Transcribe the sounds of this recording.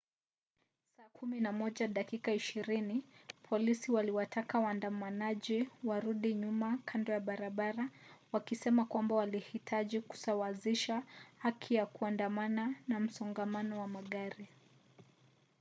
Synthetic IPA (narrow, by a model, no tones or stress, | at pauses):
saːkuminamɔʄaɗakikaiʃiɾinipʰɔlisiwaliwatʰakawandamanaʄiwaɾuɗiɲumakʰandɔjaɓaɾaɓaɾawakisɛmakwambawalihitʰaʄiku̥sawaziʃahakʰijakuandamananam̩sɔŋɡamanɔwamaɠaɾi